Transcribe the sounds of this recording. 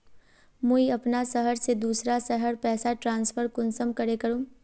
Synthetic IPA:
moːiɐpnasɐɦəɾsed̪uːsɾasɐɦəɾpɛːsaʈɾãːnsfʰəɾkʊnsəmkɐɾekɐɾõː

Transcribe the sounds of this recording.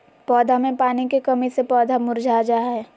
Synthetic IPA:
pɔːd̪ʱamẽpaːnikekɐmisepɔːd̪ʱamʊɾd͡ʒʱad͡ʒaːɦɛː

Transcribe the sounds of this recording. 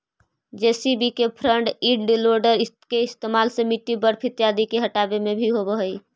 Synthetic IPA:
d͡ʒesibikepʰɾəɳɖiɖɖiloɾɖəɾɪ | keɪst̪emalsə̃miʈːibəɾpʰit̪jad̪ikeɦəʈabemẽbʱiɦobəɦəi

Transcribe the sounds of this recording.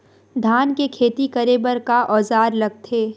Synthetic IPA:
d̪ʱaːnkekʰeːt̪ikɐɾebəɾkaʔɔːzaːɾlɐɡ̚t̪ʰeː

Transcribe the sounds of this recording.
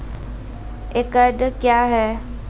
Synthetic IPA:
ekəɖkjaɦɛː

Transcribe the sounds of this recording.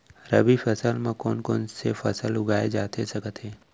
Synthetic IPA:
ɾəbifəsəlmẽkɔːnkɔːnsefʰɐsəlʊɡaːed͡ʒaːt̪ʰesɐkət̪ɦɛː

